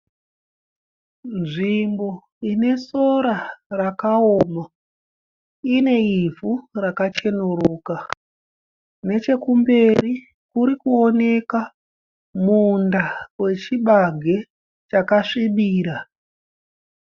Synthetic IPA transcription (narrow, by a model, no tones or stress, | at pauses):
nʐimbo̞ | ine̞so̞ɾarakaoːma | ine̞ivurakat͡ʃe̞nuɾuːka | ne̞t͡ʃe̞kumbe̞ɾi | kuɾikuone̞ka | mundawe̞t͡ʃiɓaɡʱe̞ | t͡ʃakaʂiɓiːɾa